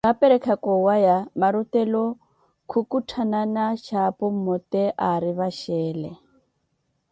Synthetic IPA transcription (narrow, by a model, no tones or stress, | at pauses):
ɣapɛɾɛkʰakɔwajamaɾutɛlɔ | kʰukutʰananaʃapɔm̩mɔt̪ɛʔaɾiβaʃɛːlɛ̰